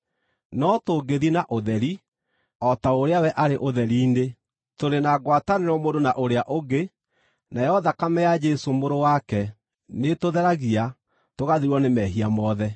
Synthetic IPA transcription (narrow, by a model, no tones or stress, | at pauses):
nɔtoɡeðinaʔoðɛɾi | ɔtaoɾeawɛʔaɾeʔoðɛɾiːne | toɾenaɣwataneɾɔmodonaʔoɾeaʔoɡe | naɛɔðakamɛjad͡ʒɛsomoɾowakɛ | netoðɛɾaɣia | toɣaðiɾwɔnemɛɦiamɔðɛ